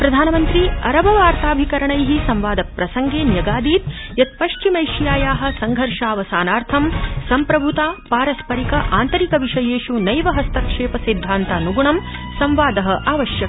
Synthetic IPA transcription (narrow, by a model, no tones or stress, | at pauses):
pɾɐd̪ʱaːnɐmɐnt̪ɾiɐɾɐbɐʋaːɾt̪aːbʱikɐɾɐɳɐjɦisɐmʋaːd̪ɐpɾɐsɐŋɡeːnjɐɡaːd̪iːt̪̚ | jɐt̪̚pɐʂt͡ʃimɐjʂjaːjaːɦɐ̆sɐŋɡʱɐɾʂaːʋɐsaːnaːɾt̪ʰɐmsɐmpɾɐbʱut̪aːpaːɾɐspɐɾikɐʔaːnt̪ɐɾikɐʋiʂɐjeːʂunɐjʋɐɦɐst̪ɐkʂeːpɐsid̪ʱːaːnt̪aːnuɡuɳɐm | sɐmʋaːd̪ɐɦɐ̆ʔaːʋɐʃjɐkɐ